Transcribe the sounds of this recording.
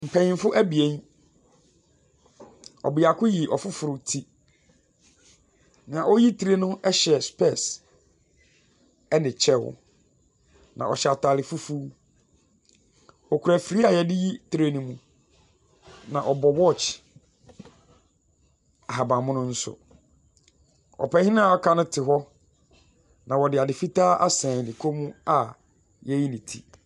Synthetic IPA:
m̩˨pʰɛ̃˨ɪ̃˨˦fʊ˦ʔæ˦bi˨ẽ˦n | ɔ̰˨bɪ˨a˨kʰʊ˦ji˨ʔɔ˨fʊ˦fʊ˨ɾʊ˨tʰi˦ | nã˨ʔɔ˦ji˦tʰi˨ɾe˦nʊ̃˦ɛ˦ɕɛ˨spʰɛ˦˨s | ɛ˦nɪ̃˨t͡ɕʰɛ˦wʊ̰˨ | nã̰˨ʔɔ˨ɕɛ˨a˨tʰa˨lɪ˨fu˦fuː˦ | ɔ˨kʰʊ˨ɾæ˨fi˨ɾi˦a˨jɛ˨dɪ˦ji˦tʰɾe˦nĩ˨mũ˦ | nã˨ʔɔ˨bɔ˨wɔ˦˨t͡ɕ | a˨ɦa˨bã˨mʊ̃˦nʊ̃˦n̩˦sʊ̰˨ | ɔ̰˨pɛ˨˦hɪ̃˦nã˦˨ɔ˦kʰa˦nʊ̃˦tʰɪ˨ɦɔ˦ | nã˨wɔ˨dɪ˨a˨dɪ˨fi˦taː˦ʔa˦sãː˨nĩ˨kʰo˦mũ˦a˨ | jɛ˦ji˦nĩ˨tʰḭ˨

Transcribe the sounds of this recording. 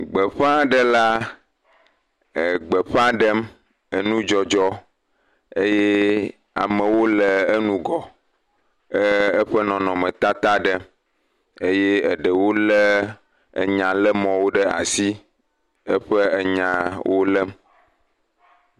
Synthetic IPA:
ɡ͡bə˨ɸã˦ɖə˦la˦ | ə˨ɡ͡bə˨ɸã˦ɖə˦m | ə˨nũ˦d͡ʒɔ˦d͡ʒɔ˦ | e˦je˦ | a̰˨mə̃˨wo˦lə˨e˦nũ˦ɡɔ˨ | ə˦ə˦ɸə˦nɔ̃˨nɔ̃˨mə̃˨t̪a˦t̪a˦ɖə˦m | e˦je˦ə˨ɖə˨wo˦lə̰˦˨ | ɲã˨lə˦mɔ̃˨wo˦ɖə˦a̰˨si˦ | ə˦ɸə˦e˨ɲã˨wʔo˦lə˦m

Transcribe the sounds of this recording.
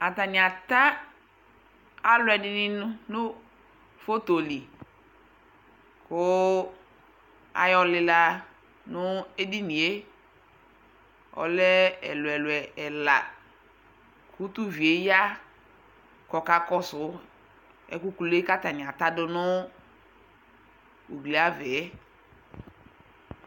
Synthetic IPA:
a˨ta˨nɪ̃˨a˨ta˦ | a˦lʊ˨ɛ˨dɪ˦nɪ˦nʊ˦nʊ˦ | fo˦to˨li˨ | kʊ˦ | a̰˨jɔ˨lɪ˨la˦ | nʊ˦e˦di˦nĩ˨e˦ | ɔ̰˨lɛ˦ɛ̰˨lʊ˨ɛ˨lwɛ˨ɛ˨la˨ | ku˦tu˦vi˨e˨˦ja˦ | kɔ˨ka˨kɔ˦sʊ˨˦ | ɛ̰˨ku˦ku˦le˦ka˦ta˨nɪ̃˨a˨ta˦dʊ˦nʊ˦ | u˨ɡli˨a˦vɛ˨˦

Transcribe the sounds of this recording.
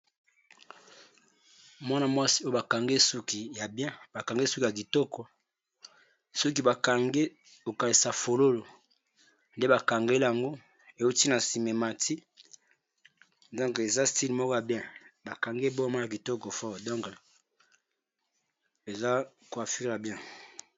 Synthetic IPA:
mwa˦na˨mwa˦si̥˦o˦jo˦ba˨ka˨ŋɡe˦su˦ki˨ja˨bjɛ̃˦ba˨ka˨ŋɡe˦su˦ki˨a˨k̬i˨tɔ˦kɔ˨ | sɔ˦k̬i˦ba˨ka˨ŋɡe˦ | ko˨ka˨li˨sa˨fo˨lo˦lo˨ | nde˦ba˨ka˨ŋɡe˦la˨ŋɡo˦ | e˨u˦ti˦na˨si˨me˨ma˨tʰi˦ | dɔ̃˦ŋke˨za˦sti˦lmɔ˦kɔ˦ja˨bjɛ̃˦ba˨ka˨ŋɡe˦bo˦ma˦a˨ki˨tɔ˦kɔ˨fɔ˦ʁdɔ̃˦ŋk | e˨za˦ | ko˨a˨fi˦ʁja˨bjɛ̃˦

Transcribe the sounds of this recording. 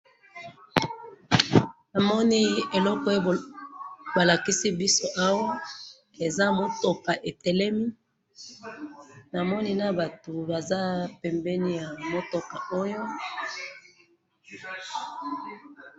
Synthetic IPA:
na˨mɔ˦ni˦e˨lɔ˦kɔ˦e˦ | ba˨la˨ki˦si˦bi˦so˦ʔa˦wa˦ | e˨za˦mo˨to˨ka˨ʔe˨tɛ˨lɛ˦mi˦ | na˨mɔ˦ni˦na˦ba˨to˨ba˨za˦pɛ˨mbɛ˦ni˦ja˨mo˦tɔ˨ka˨o˦jo˦

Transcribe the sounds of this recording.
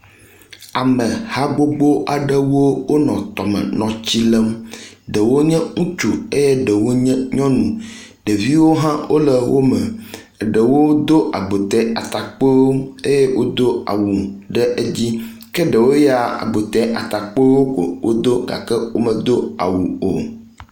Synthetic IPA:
a˨mə̃˨ha˦ɡ͡bo˦ɡ͡bo˦ʔa˨ɖə˦wo˦wo˦nɔ̰̃˨t̪ɔ˨mɛ̰˨nɔ̃˨t͡ɕi˦lə˦m˦ɖə˨wo˦ɲɛ̃˦ŋũ˦t͡ʃu˨e˦jɛ˦ɖə˨wo˦ɲɛ˦ɲɔ̃˦nũ˨ | ɖə˨vi˦wo˦ɦã˦wʔo˦lə˨wo˦mə˨ | ɖə˨wo˦d̪o˦ʔa˨ɡ͡bo˨t̪ɛ˦a˨t̪a˨k͡pe˦wo˦e˦je˦wʔo˦d̪o˦a̰˨wu˨ɖə˦ʔe˦d͡ʑi˦ | kɛ˦ɖə˨wo˦ja˨a̰˨ɡ͡bo˨t̪ɛ˦ʔa̰˨t̪a˨k͡po˦wo˦ko̰˨wʔo˦d̪o˦ɡa̰˨kɛ˦wo˦mə̃˨d̪o˦a̰˨wu˨o̰˨

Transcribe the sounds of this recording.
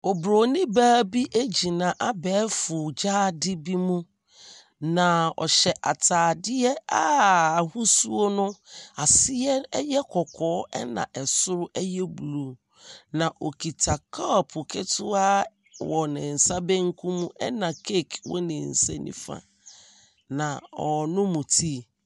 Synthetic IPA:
ɔ˨bɾo˨nɪ̃˦baː˦bi˦ʔe˦d͡ʑi˨nã˨ʔa˦bɛː˨˦fʊ˨d͡ʑaː˦dɪ˦bi˦mũ˦ | nã˨ɔ̰˨ɕɛ˨ʔa˨tʰaː˨dɪ˦ɛ˦aː˦a˨hu˦su˦o˦nʊ̃˦a˨sɪ˦ɛ˦ɛ˦jɛ˦kʰɔ˨kʰɔː˨˦ɛ̰˦nã̰˨ʔɛ˨sʊ˦ɾʊ˦ʔɛ˦jɛ˦bu˨lu˨ | nã˨ʔo˨kʰi˨tʰa˨kʰa˦˨pʰʊ˨kʰɛ˦tʰʊ˦a˦ | wɔ˨nɪ̃˨n̩˨sa˦bɛ̃˦ŋ̩˦kʰũ˦mũ˦ʔɛ˦nã˨kʰe˦˨kʰwɔ̰˦nɪ̃˨n̩˨sɛ̰˦nḭ̃˦fã̰˦˨ | nã˨ɔ˨nʊ̃˦mũ˨tʰi˦˨

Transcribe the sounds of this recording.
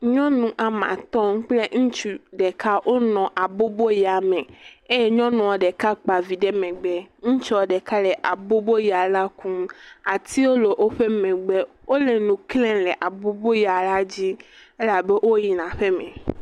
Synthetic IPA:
ɲɔ̃˦nũ˨ʔa˨mã̰˨t̪ɔ̃˦ŋ˦k͡ple˦ŋ̩̃˦t͡ʃu˨ɖɛ˨kʰa˦ʔo˦nɔ̃˨ʔa˨bo˦bo˦ja˨mẽ˨e˦je˦ɲɔ̃˦nũ˨ɔ˨ɖɛ˨ka˦k͡pa˨vi˨ɖe˦mẽ˨ɡ͡bɛ˦ŋ̩̃˦t͡ʃɔ˨ɖɛ˨ka˦lɛ˨ʔa˨bo˦bo˦ja˨la˦kũ˦ma˨t̪ʰi˦wo˦lo˨ʔo˦ɸe˦mẽ˨ɡ͡be˦ | wo˦le˨nũ˨klɛ̃˦lɛ˨ʔa˨bo˦bo˦ja˨la˦d͡ʑi˦e˦la˨be˦ʔo˦ji˨nã˨ɸe˦mḛ̃˨

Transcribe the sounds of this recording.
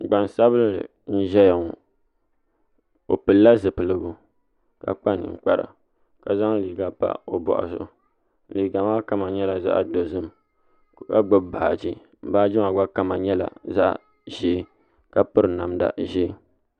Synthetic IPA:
ɡ͡ba˨n˨sa˦βɨ˦llɨ̰˨ | n̩˦ʒɛ˦ja˨ŋ˨ | o̰˨pɨ˨lːa˦zɨ˨pɨ˨lɨ˦ɡu˦ | ka̰˨k͡pa˦nɨ̰˨ŋ͡mk͡pa˨ɾa̰˨ | ka˨za˦ŋ˦li˨ɡa˦pa̰˦o˨bɔ̰˨ʔa̰˨sʊ̰˦ | n˦liː˨ɡa˨ma˦ka˦ma˨ɲɛ˦la˨za̰˦ʔdo˨zɨ˦m | kka˦ɡ͡bo˦bba˨a̰˨d͡ʒi˦ | m̩˨baː˦d͡ʒi˦ma˨ɡ͡ba˦ka˦ma˨ɲɛ˦la̰˨za˦ʔ | ʒeː˦ | ka˦pɨ˦ɾɨ˨na˨mda̰˨ʒeː˦

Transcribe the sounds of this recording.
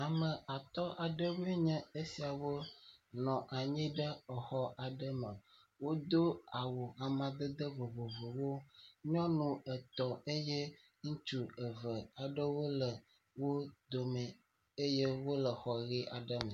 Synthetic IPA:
a˨mə̃˨a˨t̪ɔ˦ʔa˨ɖə˦wu˦e˦ɲɛ̃˦e˦si˨a˨wo˦nɔ̃˨ʔa˨ɲĩ˦ɖə˦ɔ˨xɔ˦ʔa˨ɖə˦mə˨ | wo˦d̪o˦a˨wo˨a˨mã˨d̪ə˦d̪ə˦vo˨vo˨vo˨wo˦ɲɔ̃˦nũ˨ə˨t̪ɔ˨e˦je˦ | ŋũ˦t͡ʃu˦˨ə˨və˨a˨ɖə˦wo˦lə˨ | wo˦d̪o˨mɛ˨ | e˦je˦wo˦lə˨xɔ˨ɣi˦ʔa˨ɖə˦mə˨

